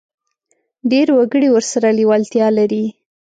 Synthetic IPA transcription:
ɖeɾwaɡəɽiwəɾsaɾaliwalt̪jɑlaɾi

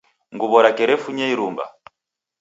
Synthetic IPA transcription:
ŋɡuβɔɾakɛɾɛfuɲɛiɾumba̰

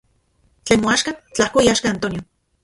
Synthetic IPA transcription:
t͡ɬeːnmoaʃkat͡ɬahkoiaʃkaːnt̪onjo

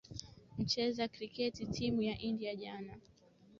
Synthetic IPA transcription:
m̩t͡ʃɛzakɾikɛtitʰimujaʔindiaʄana

